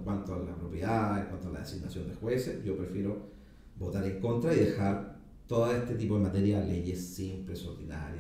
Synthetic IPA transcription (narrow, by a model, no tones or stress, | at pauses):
kwant̪oalapɾo̞pjeðaðeŋkwant̪oala̰ðesiɡnasjo̞nd̪exwesesɟ͡ʝo̞pɾe̞fje̞ɾo | bo̞t̪aɾeŋko̞nt̪ɾaiðexaɾ | t̪oðaest̪et̪̬ip̬o̞ðemat̪eɾjaðele̞ʝesːimpleso̞ɾðina̰ɾja